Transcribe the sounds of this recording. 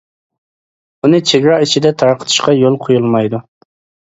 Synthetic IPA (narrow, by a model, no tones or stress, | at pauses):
unɨt͡ʃʰeɡʲɾɑit͡ʃʰid̪ɛt̪ʰɑɾqʰə̥t̪ʰɨ̥ʃqɑjolˠqʰojulˠmɑjd̪u